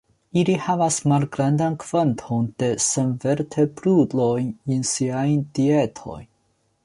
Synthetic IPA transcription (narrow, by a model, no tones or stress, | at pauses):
ilihavasmalɡɾandankv̥antʰo̞nd̥e̞senveɾtʰebɾudlo̞jninsiajd̥ie̞tʰo̞̰jn